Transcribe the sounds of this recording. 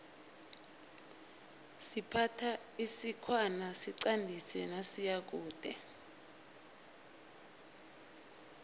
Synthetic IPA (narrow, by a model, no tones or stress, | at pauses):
sipʰatʰa | isikʰwanasiǀandʱisɛnasijak̬uːd̥ʱɛ